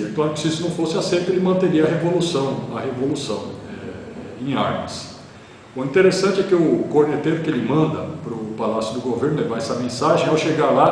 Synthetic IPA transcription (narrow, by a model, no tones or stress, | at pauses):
ẽt̪ɐ̃w̃ɛkɪ̥sɪisʊnɐ̃w̃fosɪasejt̪ʊelɪmɐ̃nt̪eɾiɐɦevolusɐ̃w̃ɐhevolusɐ̰̃w̃ɛẽj̃a̰ɾmɐs | ʊĩnt̪eɾesɐ̃nt͡ʃɪɛkɪʊkoɾnet̪eɾʊkɪelɪmɐ̃nd̪ɐpɾʊpalasjʊd̪ʊɡoveɾnʊlevaɾɛsɐmẽsaʒẽj̃awʃeɡaɾla